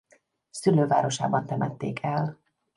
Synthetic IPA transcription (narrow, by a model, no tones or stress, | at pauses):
syløːva̰ːɾo̞ʃa̰ːbɒnt̪ɛmɛt̪ːeːkʰɛl